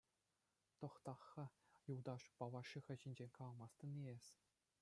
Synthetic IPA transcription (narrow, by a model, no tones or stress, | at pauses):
t̪ŏχt̪ɑχːɑjulˠd̪ɑʂpɑʋɑʂixʲɘ̆ʑɘ̆nʲd͡ʑenʲkɑlˠɑmɑst̪ɤ̆niesʲ